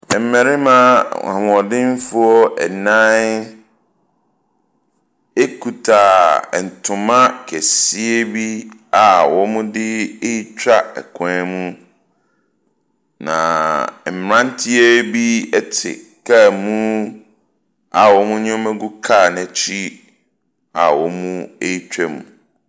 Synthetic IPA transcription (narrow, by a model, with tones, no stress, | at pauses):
m̩˨mɛ̃˨ɾɪ˦mã˦ã̰˨wɔ˨dɪ̃˦n˦fʊ˦ɔ˦ʔɛ̰˨nã˦n | e˦kʰu˨tʰa˨n̩˨tʰʊ̃˨mã˦kʰɛ˨si˦e˦bi˦a˨wɔ˦mʊ̃˦dɪ˦e˦i˦t͡ɕᶣa˦ɛ̰˨kʰɔ̃˨˦mũ˦ | nã̰˨m̩˨m˨ɾã˦n˦tʰi˦e˦bi˦ɛ˦tʰɪ̰˨kʰa˦˨mũ˦ | a˨wɔ˨˦mũ˦ɲʊ̃˦mɛ̃˦ɡu˦kʰa˦˨nɛ̃˨t͡ɕʰi˦ | a˨wɔ˨˦mũ˦e˦i˦t͡ɕᶣɛ˦mṵ̃˨